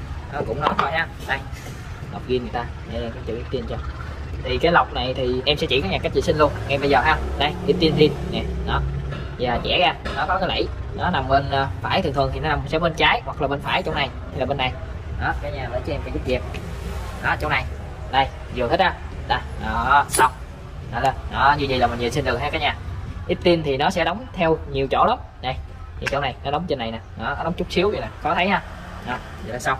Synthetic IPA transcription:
ʔɔ˨˦kʊ̰˧˥ŋ͡mnɔ˨˦t̪ʰɔ˧jhaː˧ | ɗa˧˩j | la˨˩wk͡p̚ɣi˧ŋɨ˨˩ət̪aː˧ɗe˧˩ɛ˧mkɔ˧˦t͡ɕḭ˨ʔi˦˥p̚t̪i˧nt͡ɕɔ˧ | t̪ʰi˨˩kaː˨˦jla˨˩wk͡p̚na˨˩jt̪ʰi˨˩ʔɛ˧msɛ̰˧˥t͡ɕḭ˧˩kɔ˨˦jɲaː˨˩kk̚t͡ɕḭ˧˨si˧ŋlu˧ənŋa˧jɓə˧jzəː˨˩ɦaː˧ɗa˧jʔi˦˥t̚t̪i˧ənt̪i˧ənŋɛ˨˩ɗɔ˨˦ | vaː˨˩t͡ɕɛ̰˧˥˩ɣaː˧nɔ˨˦kɔ˨˦kaː˨˦lə̰˧˩jnɔ˨˦na˨˩mɓə˧nː˧faː˧˩jt̪ʰɨ˨˩t̪ʰɨ˨˩əŋt̪ʰi˨˩nɔ˨˦na˨˩msɛ̰˧˥ɓə˧nt͡ɕaː˨˦jhwa˨˩k̚laː˨˩ɓə˧nfaː˧˩jt͡ɕɔ˧wŋ͡mna˨˩j̪ʰɛ˧jlaː˨ɓe˧nːa˨˩j | ɗɔ˨˦kaː˨˦jɲaː˧˩vəː˨˦jt͡ɕɨ˦ɛ˧ma˧˩zu˦˥vi˨˩p̚ | ʔɔ˨˦t͡ɕɔ˧wŋ͡mna˨˩j | ɗa˨˧˩j | zɨ˨˩ət̪ʰt̚ʔaː˨˧˦ | ɗaː˨˩ʔaː˨˩sa˨˧wŋ͡m | nɔ˨˦lʔɔ˨˦ɲɨ˧zḭ˨˩laː˨˩mi˨˩nɲḭ˧˨nsi˧nɗɨ˨˩k̚t̪ʰɛ˧kaː˨˦jɲaː˧˩ʔi˦˥t̚t̪i˧nt̪ʰi˨˩nɔ˨˦sɛ̰˧˥ɗɔ˨˦wŋ͡mt̪ʰɛ˧wɲi˨˩əwt͡ɕo̰˧˩˦lə˨˦˥k͡p̚ | na˨˩j | t̪ʰi˨˩t͡ɕɔ˧ŋ͡mna˨˩jnɔ˨˦ɗɔ˨˦wŋ͡mt͡ɕe˧nːa˨˩jnaː˨˩nɔ˨˦n˨˦ɗɔ˨˦wŋ͡mt͡ɕʊ˦˥k͡p̚si˨˦əwɲi˧naː˨˩kɔ˨˦t̪ʰə˨˦jhaː˧ | ʔɔ˨˦ | ɨ˨˩laː˨˩sa˧w

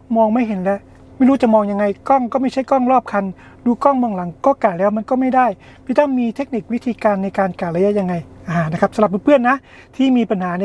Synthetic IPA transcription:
mɔː˧ŋma˥˩jɦe˩˦nlɛ˦˥ʔ | ma˥˩jɾuː˦˥t͡ɕa˨˩mɔː˧ŋja˧ŋːa˧jkɔː˥˩ŋkɔː˥˩ma˥˩t͡ɕʰa˥˩jkɔː˥˩ŋɾɔː˥˩p̚kʰa˧n | duː˧kɔː˥˩ŋmɯ˧əŋla˩˦ŋkɔː˥˩kaː˨˩lɛː˦˥wma˧nkɔː˥˩ma˥˩jdaː˥˩j | pʰiː˧˩t̪ɔ˥˩ŋmiː˧t̪ʰe˦˥k̚ni˨˩k̚wi˦˥t̪ʰiː˧kaː˧nːa˧jkaː˧nkaː˨˩la˧ja˦˥ʔja˧ŋːa˧jʔa˧˨˧na˦˥kʰa˦˥p̚sla˨˩nu˧˥pʰɯ˥˩ənːa˦˥ʔ | t̪ʰiː˥˩miː˧pa˧nhaː˩˦n˧

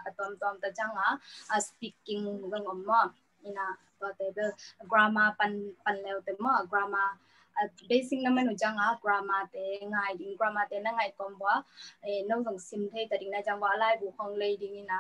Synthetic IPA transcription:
katɔ˧mtɔmta˨d͡ʒa˧ŋaspi˧kːi˧ŋzɔ˧ŋɔ˨mːɔ˦ | ina˨ | tɔte˨dɯɡɾama˧panpanlɛ˧wte˨mɔ˦ɡɾama˧ | besi˧ŋna˧ma˦nu˨d͡ʒa˧ŋa˨ɡɾama˧te˨ŋajdi˨ŋɡɾa˧ma˧te˨˧na˦ŋa˨jtɔ˧mba˦enɔ˦wzɔ˨ŋsi˧mtʰe˦jtadi˨ŋna˧d͡ʒa˧ŋbɔː˧lajbu˨kʰɔ˧ŋlə˧jdi˧ŋina˨

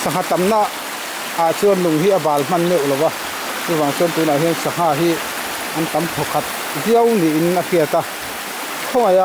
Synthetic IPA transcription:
sa˨ŋa˧t̪a˨mna˦ʔ | a˨t͡su˦ɐ˦nlu˨ŋɦi˦ʔə˦baː˨lm̥ɐ˥˨nːɛ˦˩˨wlɔ˨wa˧ | tu˦va˨ŋsu˧˦nt̪uː˨˦na˨ɦi˦nsa˨ŋ̥aː˧ɦi˦ | ʔɐ˦nt̪a˨˦mkʰɔ˨kʰa˨˦t̪̚ | zi˦ə˦wni˨ʔi˨na˧hi˧ə˨˩t̪a˧ | kʰɔ˦ŋa˨ja˧

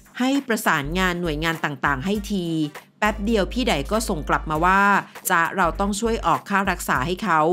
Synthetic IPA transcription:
ha˥˩jpɾa˧saː˩˦nŋaː˧nːu˨˩əjŋaː˧nt̪aː˨˩ŋt̪aː˨˩ŋɦa˥˩jt̪ʰiː˧pɛ˦˥p̚di˧əwpʰiː˥˩da˨˩jkɔː˥˩so˨˩ŋkla˨˩p̚maː˧waː˥˩t͡ɕa˦˥ɾa˧wt̪ɔ˥˩ŋt͡ɕʰu˥˩əjʔɔː˨˩kʰːaː˥˩ɾa˦˥k̚saː˩˦ha˥˩jkʰa˦˥w

